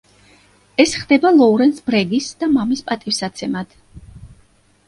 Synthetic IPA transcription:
ɛsχd̪ɛbalˠɔuɾɛnsbɾɛɡisd̪̥amamispʼat̪ʼifsat̪sʰɛmad̪̥

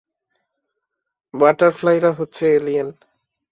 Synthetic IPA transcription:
baʈaɾflajɾaɦotːɕʰeelian

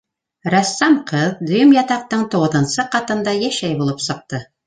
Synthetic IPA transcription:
ɾæsːɑmqʰɤðd̪ɵ̆jɵmjɑt̪ɑq̚t̪ɤɴt̪uʁɤ̆ðɤ̆nsɤqɑt̪ɤ̆nd̪ɑjæʃæjbulˠɤpsɤ̆q̚t̪ɤ

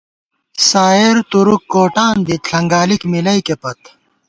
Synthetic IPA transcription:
saːeɾt̪uɾukːoːʈaːnd̪it̪ɬʰɐŋɡaːlikmilɐjkepɐt̪

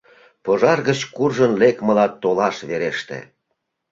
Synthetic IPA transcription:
poʒɑrɣət͡ɕkurʒənlekməlɑt̪ːolɑʃβeɾeʃt̪ḛ

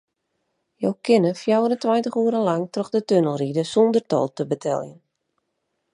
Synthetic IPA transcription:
jowkʰɪnəfjawəɾəntwajntəχuəɾəlaŋtrɔxdətønəlˠridəsɔndərtɔ̰lˠtəbətʰɛ̰lˠjən

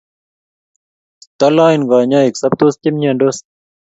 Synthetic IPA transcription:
t̪ɐlãːinɡaːɲaːeksɐb̚t̪oːst̪imɲãːɳɖos

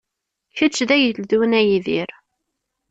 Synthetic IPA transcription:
çət͡ʃːðæjəld̪unæjiðiɾ

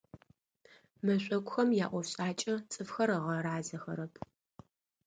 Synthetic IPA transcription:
mɐɕʷʼɐkʷʊxɐmjaːʔʷɔɕʼaːt͡ʃʼɐt͡sʼɨfxɐɾɐʁɐɾaːzɐxɐ̰ɾɐpʰ

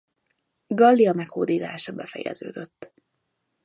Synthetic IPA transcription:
ɡɒlːiɒmɛkhoːd̪iːt̪aːʃɒbɛfɛjɛ̰zøːd̪øt̪ː

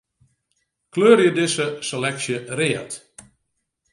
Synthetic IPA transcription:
kløːɾjədɪsəselɛksjəreət

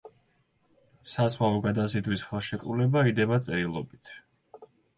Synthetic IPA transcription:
saswalˠɔɡad̪azid̪wisχɛlˠʃɛkʼɾṵlɛbaid̪ɛbat̪sʼɛɾilˠɔbit̪ʰ

